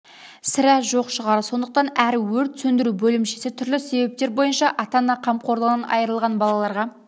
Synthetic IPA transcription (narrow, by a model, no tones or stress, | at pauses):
sɪɾæʒoqʃəʁɑɾəso̞nd̪əq̚t̪ɑnæɾwɵɾt̪sɵnd̪ɪɾubɵlɪmʃesɪt̪ʰʏɾlɪse̞be̞p̚t̪e̞ɾbo̞jənʃɑʔɑt̪ɑnːɑqʰɑmqʰo̞ɾd̪ənənɑ̰jəɾəlˠʁɑnbɑlˠɑlˠɑɾʁɑ